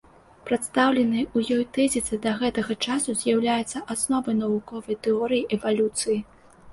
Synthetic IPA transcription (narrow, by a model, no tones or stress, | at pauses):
pɾat̪st̪awlʲɛnɨjujɔjt̪ɛzʲit̪sɨd̪ɐɣɛt̪ɐɣɐt͡ʂasuzʲjawlʲajɛt̪sːɐʔasnɔvɐjnɐvukɔvɐjt̪ɛɔɾɨjiʔɛvalʲut̪sɨji